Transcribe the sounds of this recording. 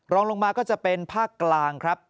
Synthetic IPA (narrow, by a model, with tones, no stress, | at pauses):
ɾɔː˧ŋlo˧ŋmaː˧kɔː˥˩t͡ɕa˨˩pe˧npʰaː˥˩kːlaː˧ŋkʰɾa˦˥p̚